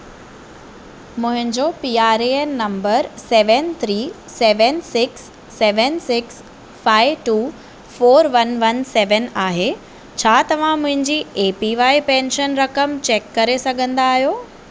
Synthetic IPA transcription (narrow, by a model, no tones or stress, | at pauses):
mʊ̃ɦɪ̃ɲd͡ʑopiːaːɾeːnːɐmbəɾseːʋənt̪ʰɾiː | seːʋənsɪksː | ɛːʋənsɪks | faːɪʋʈuː | foːɾʋɐnʋɐnsɛːʋənaːɦe | t͡ɕʰaːt̪ɐʋ̤ãmʊ̃ɦɪ̃ɲd͡ʑiːeːpiʋaːipɛ̃ːnʃənɾɐkəmt͡ɕeːkːɐɾesɐɡʱə̃nd̪aːɦijoː